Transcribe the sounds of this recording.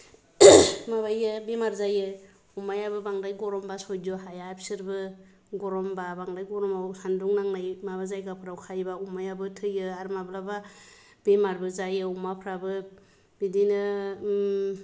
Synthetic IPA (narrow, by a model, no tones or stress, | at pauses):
maβajɯbemaɾzajɯ | umajabɯbaŋdajɡɔɾɔmbasɔjdɔɦajapsɯɾbɯ | ɡɔɾɔmbabaŋdajɡɔɾɔmawsanduŋnaŋnajmabazajɡapʰɯɾawkʰajbaumajabɯtʰɯjɯaɾmablaba | b̥emaɾbɯzajɯumapʰɾabɯ | b̥idinɯ